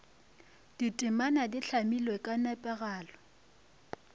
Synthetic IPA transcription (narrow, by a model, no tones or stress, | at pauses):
d̥itʼɪmanadɪɬʰamilwekʼanapʼɛɣaːlɔ